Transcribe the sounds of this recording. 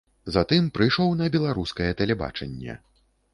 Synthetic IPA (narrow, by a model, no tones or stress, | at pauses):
zat̪ɨmpɾɨjʂɔwnɐbʲɛlˠaɾuskɐjɛt̪ɐlʲɛba̰t͡ʂɛnʲːɛ̰